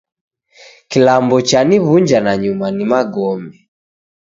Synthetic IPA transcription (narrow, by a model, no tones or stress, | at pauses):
kilambɔt͡ʃaniβuɲd͡ʒanaɲumanimaɡɔmɛ